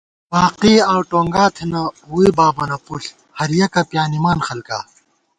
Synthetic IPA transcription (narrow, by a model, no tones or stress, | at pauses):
paːqiːaːwʈoːŋɡaːt̪ʰenɐuibaːbɐnɐpuɬ | hɐɾjɐkɐpjaːnimaːnxɐlka̰ː